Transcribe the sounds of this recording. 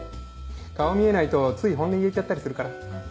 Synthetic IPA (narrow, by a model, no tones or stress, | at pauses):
kaomʲie̞nait̪o̞t͡sɨiɦõ̞nd̪eiet͡ɕat̪ːaɾʲisɨɾɯ̟kaɾa